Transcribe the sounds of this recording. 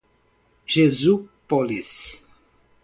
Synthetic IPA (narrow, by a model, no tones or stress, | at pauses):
ʒezupolis